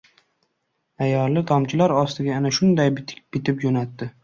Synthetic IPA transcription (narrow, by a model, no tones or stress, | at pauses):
ajɒlːɪd̪ʰɒmt͡ʃʰɪlaɾɒst̪ʰɪɡʲaanaʃʊnd̪ajbb̥ɪt̪ʰɪpd͡ʒonat̪ːɪ